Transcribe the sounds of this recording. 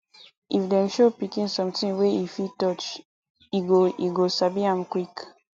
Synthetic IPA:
ʔifdɛ̃mʃopikĩnsɔ̃mtĩnweifitɔt͡ʃ | iɡoiɡosabiãmkwik

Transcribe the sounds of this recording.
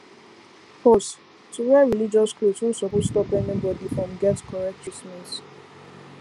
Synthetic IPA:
fɔs | tʰuwɛɹilid͡ʒɔskɹusũnsɔpotstɔpɛnibɔdifɹɔ̃mɡɛtkʰɔɹɛk̚t̚t͡ʃʰɹismɛ̃s

